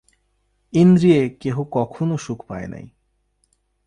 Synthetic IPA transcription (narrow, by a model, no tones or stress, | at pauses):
ind̪ɾiekeɦokɔkʰonoʃukʰpaena̰j